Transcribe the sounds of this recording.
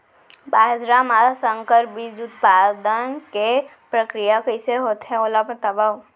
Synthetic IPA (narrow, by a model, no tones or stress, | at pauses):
baːd͡ʒɾaːmasə̃ŋkəɾbid͡ʒʊt̪paːd̪ənke | pɾəkɾijakəɪseɦoːt̪eɦɛ̃oːlapəɾt̪ɐbau